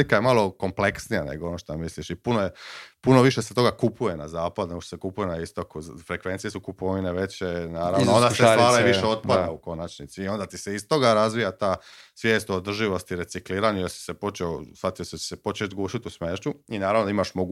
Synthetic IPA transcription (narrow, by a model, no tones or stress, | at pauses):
ikaje̞malo̞ko̞mple̞ksnijanḛɡoonoʃt̪omisliʃipunojepunoʋiʃeset̪o̞ɡakupʰuje̞na̰zaːpad̪unoʃt̪osekupujenaist̪o̞kufɾekʋe̞nt̪sijesukupoʋineʋe̞t͡ɕenaːɾannoond̪asest̪ʋaːɾaiʋiʃeot̪pad̪auko̞nat͡ʃnit̪siːo̞nd̪at̪iseist̪o̞ɡaɾazʋijat̪aːsʋjeːst̪oːd̪r̩ʒiʋo̞st̪iɾe̞t̪sikliːɾaɲujeɾsi̥sepo̞t͡ʃeosʋat̪ijoset͡ɕe̥sepo̞t͡ʃet̪ɡuːʃit̪usmeːʃt͡ʃuinaːɾaʋnoaimaʃmoɡ